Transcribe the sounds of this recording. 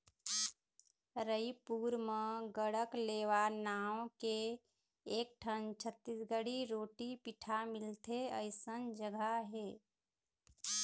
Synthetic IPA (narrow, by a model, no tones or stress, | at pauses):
ɾəipuːɾməɡəɽəkleːʋanaːwõkeː | k̚ʈʰənt͡ʃʰət̪ːisɡəɽiɾoːʈipiʈʰamɪlt̪eəɪsənd͡ʒəɡʱaɦeː